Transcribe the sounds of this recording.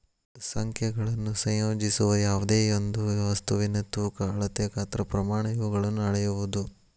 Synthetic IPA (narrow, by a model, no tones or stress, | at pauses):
sɐŋkʰjɐɡɐɭɐnːusɐjjoːd͡ʒisuʋɐjaːʋud̪e̞ːond̪uʋɐst̪uʋinɐt̪uːkɐːɭɐt̪ekaːt̪ɾɐpɾɐmaːɳɐjuːɡɐɡɐɭɐnːuɐɭɛjuʋud̪u